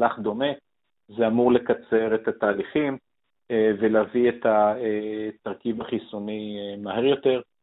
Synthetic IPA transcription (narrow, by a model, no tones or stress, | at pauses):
laχd̪o̞me̞ | zeamuʁle̞kat͡se̞ʁet̪at̪aːliχim | velaviet̪aet̪aʁkivaχisunimaheʁjo̞t̪e̞ʁ